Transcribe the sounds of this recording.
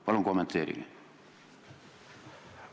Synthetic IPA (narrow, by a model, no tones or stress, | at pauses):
pɑloŋkomːent̪ːˑeːɾḭŋ̰